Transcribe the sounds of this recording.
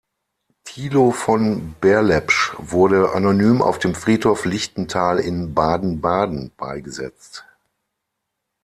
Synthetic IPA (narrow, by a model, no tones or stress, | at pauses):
tʰiːlofɔnbɛɐlɛpʃvʊɐdəʔa̰nonyːmʔa̰ʊfd̥eːmfʁ̥iːthoːflɪçtn̩tʰaːlɪ̰nbaːdn̩baːdn̩b̥a̰ɪɡəzɛ̰t͡st